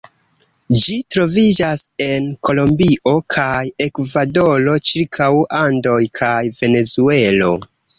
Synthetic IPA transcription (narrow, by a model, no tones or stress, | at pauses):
d͡ʒitɾo̞vid͡ʒase̞nko̞lo̞mbiʔo̞kʰaje̞kvado̞lo̞t͡ʃiɾkʰawando̞jkʰajve̞ne̞zue̞lo̞̰